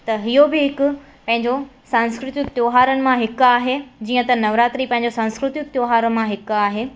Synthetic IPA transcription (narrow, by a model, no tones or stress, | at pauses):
t̪ɐɦijobɪɦɪkʊ̆ | pɐ̃ɦɪ̃ɲ̆d͡ʑo | sãːnskɾɪt̪ɪk̚t̪joːɦaːɾənɪ̆mãɦɪkaːɦed͡ʑiːə̃t̪ɐnɐʋɾaːt̪ɾipɐ̃ɦɪ̃ɲ̆d͡ʑosãnskɾɪt̪ɪkt̪joːɦaːɾəmãɦɪkaːɦeː